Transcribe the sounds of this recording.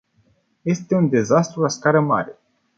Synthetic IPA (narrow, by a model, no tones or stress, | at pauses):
je̞st̪e̞und̪e̞zast̪ɾulaskaɾəma̰ɾe̞